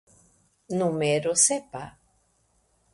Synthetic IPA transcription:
nũmeɾosepa

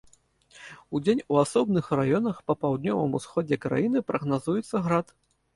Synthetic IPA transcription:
ud͡zʲenʲuasɔbnɨxrajɔnɐxpɐpawd̪nʲɔvɨmusxɔdd͡zʲɛkɾa̰jinɨpɾɐɣnazujɛt̪sːɐɣɾat̪

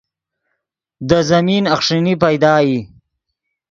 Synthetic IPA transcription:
d̪əzɐminɐχʂinipajd̪ɑːji

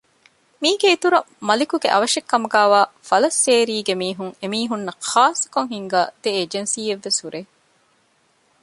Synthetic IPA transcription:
miːɡeit̪uɾɐ | mɐlikuɡḛʔɐʋɐʂekːɐmuɡæːʋaːfɐlɐsːeːɾiːɡemiːɦuŋemiːɦunːɐxaːsɐ̥koŋɦhiŋɡaːd̪eeːd͡ʒensiːeʋːesuɾeː

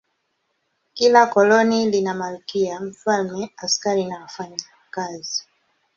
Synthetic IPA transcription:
kilakɔlɔnilinamalukiam̩falmɛaskaɾinawafaɲa | kazi

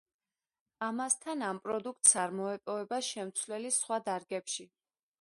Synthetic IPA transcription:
amast̪ʰanampʼɾɔd̪uk̚ʰt̪ʼsaɾmɔɛpʼɔvɛbaʃɛmt̪sʰvlɛlisχwad̪aɾɡɛpʃi

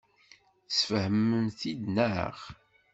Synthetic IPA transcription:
sfəhəmːənθid̪næə̰ʁ

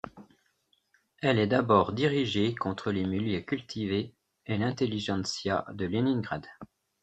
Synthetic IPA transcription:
ɛlɛd̪abɔʁd̪iʁiʒekɔ̃t̪χəlemiljøkʲylt̪ʰive | elɛ̃t̪eliʒɑ̃sja̰d̪əliniŋɡʁa̰d̪

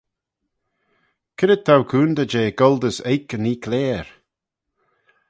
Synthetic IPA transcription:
kʰɪɾət̪ʰːawkʰuːnd̪əd͡ʒeːɡɔld̪əsejkəniːkʰlɛːɹ

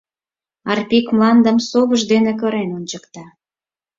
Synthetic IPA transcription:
ɑrpʲikmlɑnd̪əmsoβəʒd̪enek̬ɤ̆ɾenont͡ɕəkt̪ɑ

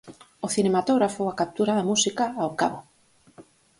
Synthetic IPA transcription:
ʊθinemat̪oɣɾafoakap̚t̪uɾaðamusikaːoka̰βo

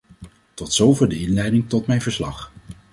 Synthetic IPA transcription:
tɔtsowvɛdəɪnlɛjdɪŋtɔtmɛjnvəɹslɑ̰χ

